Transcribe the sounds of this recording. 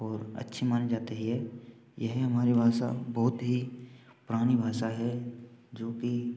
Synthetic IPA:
ɔːɾɐ̰tːʃʰimaːned͡ʒaːt̪eɦiɦɛː | jɛɦɦɐmaːɾibʱaːʃa̰bɔɦʊt̪ɦi | pɾaːɽ̃ibʱaːʃaɦɛd͡ʒoːki

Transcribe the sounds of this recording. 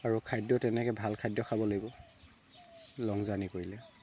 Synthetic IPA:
aɹukʰajdjɔtɛnɛkɛbʱalkʰajdjɔxʰabɔlaɡibɔ | lɔŋzanikoɹilɛ

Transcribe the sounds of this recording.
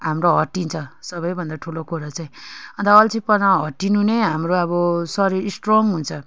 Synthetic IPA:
ɦamɾoɦʌʈːint͡sʰʌsʌβʌjbʱʌnd̪aʈʰulokʰoɾat͡saj̃ʌnt̪aʌlt͡sʰipʌnaɦʌʈːinuneɦamroʌbʌsʌɾiɾsʈroŋɦunt͡sʰʌ

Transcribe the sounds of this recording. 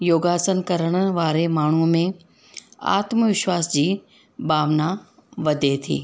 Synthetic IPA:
joːɡaːsənkɐɾəɽ̃ʋaːɾemaːɳ̤umẽ | a̰ːt̪məʋɪʃʋaːsd͡ʑiː | ɓaːʋna | ʋɐd̪ʱet̪ʰḭː

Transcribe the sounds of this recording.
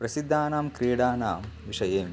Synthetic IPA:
pɾɐsid̪ʱːaːnaːmkɾeːɽaːnaːmʋiʂɐjeːm

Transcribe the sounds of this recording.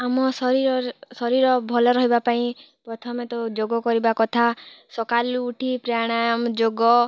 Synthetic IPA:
amɔsɔɾiɾɔsɔɾiɾɔbʱɔlɔɾɔɦibapaĩ | pɾɔt̪ʰɔmet̪ɔd͡ʒoɡɔkɔɾibakɔt̪ʰasɔkaluːʈʰipɾaɽ̃amd͡ʒoɡɔ

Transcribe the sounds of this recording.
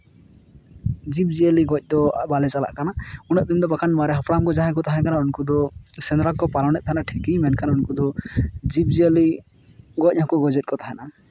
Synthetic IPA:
d͡ʒip̚d͡ʒiəliɡɔc̚ˀd̪ɔbalɛt͡ʃala̰ʔkanaunəʔ̚d̪imd̪ɔbakʰanmaɾɛɦapʰɾamkɔd͡ʒaɦãkɔt̪aɦɛ̃kanaunkud̪ɔsɛnɾakɔpalawnɛt̪̚t̪ʰaɦɛnaʈʰikimɛnkʰanaunkud̪ɔd͡ʒip̚d͡ʒiəli | ɡɔc̚ˀhãkɔɡɔd͡ʒɛt̪̚kɔt̪aɦɛna

